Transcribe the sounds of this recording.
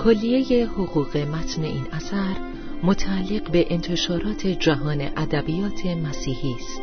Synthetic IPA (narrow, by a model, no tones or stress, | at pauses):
kʰolːije̞je̞hoɣuːɣe̞mæt̪ʰne̞̰ʔiːnæsæɾ | mot̪ʰæːlːeɣbe̞ʔent̪ʰe̞ʃɒːɾɒːt̪ʰe̞d͡ʒæɦɒːne̞̰ʔæd̪æbijɒːt̪ʰe̞mæsiːhiːst̪